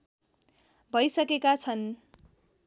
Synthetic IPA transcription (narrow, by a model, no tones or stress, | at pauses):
bʱʌjsʌkekat͡sʰʌn